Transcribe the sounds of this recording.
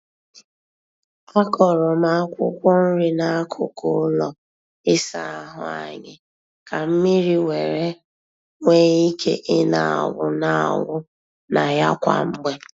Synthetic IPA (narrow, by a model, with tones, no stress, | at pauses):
a˦kɔ˨ɾɔ˨ma˦kʷʊ˦kʷɔ˦n̩˦ɾi˦na˦a˦kʰʊ˨kʊ˦lɔ˨ | ɪ˦sa˦˨a˦ɦʊ˨a̰˨ɲɪ˨ | ka˨m̩˦mi˦ɾi˦we˨ɾe˦ | ŋʷe˦i˦kʰe˦ʔɪ˦na˨a̰˨wʊ˦na˨a̰˨wʊ˦ | na˨ja˦kʷa̰˨m̩˦ɡ͡be˦